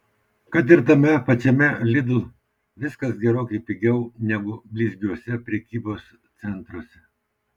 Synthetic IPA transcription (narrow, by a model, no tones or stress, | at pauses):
kɐt̪̬ɪɾt̪ɐmʲɛpɐt͡ʃʲɛmʲɛlʲɪd̪ʊ | ʋʲɪskɐsɡʲɛɾoːkʲɐɪpʲɪɡʲɛʊnʲɛɡʊbʲlʲiːzʲɡʲuɔsʲɛpʲɾʲɛkʲiːboːs | t̪sʲɛnˑt̪ɾuɔsʲɛ